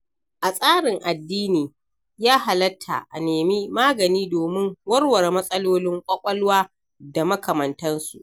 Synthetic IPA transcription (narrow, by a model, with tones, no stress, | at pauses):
ʔa˨sʼaː˦ɽɪ˨ŋʔa˨dːiː˦niː˨ | jaː˦ɦa˨lɐ˦tʰːa̰˨ʔa̰˨neː˨mi˦maː˦ɡɐ˨niː˦doː˨mɪ˦ŋwɐ˦rwɐ˨rmɐ˦sʼɐ˦loː˦lɪ˦ŋkʷʼɐ˦kʷʼɐ˦lwaː˦ | da˨mɐ˦kʰɐ˨mɐ˨ntɐ˦nsṵ˨ʔ